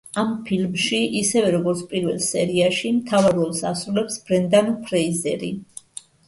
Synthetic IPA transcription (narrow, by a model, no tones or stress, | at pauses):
ampʰilmʃiʔisɛvɛɾɔɡɔɾt̪sʰpʼiɾvɛlˠsɛɾiaʃimt̪ʰavaɾɔlˠsasɾulɛpsb̥ɾɛnd̪anpʰɾɛizɛɾḭ